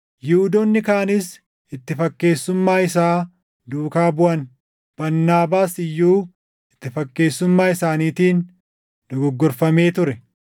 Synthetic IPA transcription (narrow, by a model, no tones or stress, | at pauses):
jɪʊd̪oːnːɪkaːnɪs | ɪt̪ːɪfɐkːe̞ːsːʊmːaːɪsaː | d̪uːkaːbʊʔɐn | b̥ɐnːaːbaːsɪjːuː | ɪt̪ːɪfɐkːe̞ːsːʊmːaːɪsaːniːt̪iːn | d̪̥ɔɡɔɡːɔɾfɐme̞ːt̪ʊɾɛ